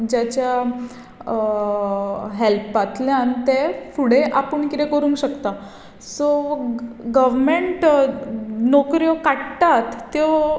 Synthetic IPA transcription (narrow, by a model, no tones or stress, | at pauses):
d͡ʑjat͡ɕja | ɦelpːat̪ljãnt̪efuɽeʔapəɳkit̪ẽkəɾũːŋkɕəkt̪a | so | ɡəʋmeɳʈ | nɔkɾjokaʈt̪at̪ːjo